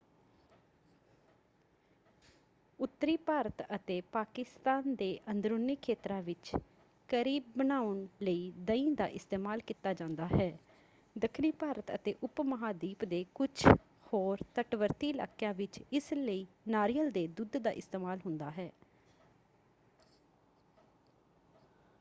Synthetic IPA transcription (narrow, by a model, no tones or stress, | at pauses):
ʊt̪ːəɾiːpaːɾət̪ət̪eːpaːkɪst̪aːnd̪eːʔənd̪ɾoːnikʰeːt̪ɾãːʋɪt͡ʃ | kəɾiːb̚ːənaːʊɳləiːd̪əĩːd̪a̰ːʔɪst̪eːmaːlkiːt̪aːd͡ʒãːnd̪aːɦɛː | d̪əkʰniːpaːɾət̪ə̰t̪eːʔʊpməɦaːd̪iːpd̪eːkʊt͡ʃʰ | hoːɾt̪əʈʋəɾt̪iːla̰ːkjaːʋɪt͡ʃɪsləiː | naːɾijəld̪eːd̪ʊd̪d̪a̰ːʔɪst̪eːmaːlɦʊ̃nd̪aːɦɛː